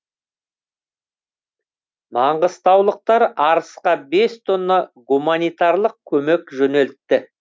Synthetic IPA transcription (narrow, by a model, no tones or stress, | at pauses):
mɑɴʁəst̪ɑwlˠəq̚t̪ɑɾɑɾəsqɑbe̞st̪ʰo̞nːɑɡumanijt̪ɑɾlˠəq̚kʲʰɵme̞kʒɵne̞lt̪ːɪ